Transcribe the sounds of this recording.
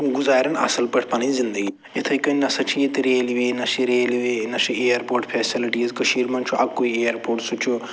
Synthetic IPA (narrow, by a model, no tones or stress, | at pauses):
ũɡuzaːɾʲɐnɐ̰sɐlpɐʈʰpɐnizind̪əɡi | et̪ʰɐjkɐnʲnɐsɐt͡ʃʰijet̪ɾeːlʋeːnɐsiɾeːliʋenɐsiejɐɾpoːɾʈpʰeːsiliʈiːzkɐʃiːɾmɐnt͡ʃʰuɐkːoieːjɐɾpoːɾʈsut͡ʃʰu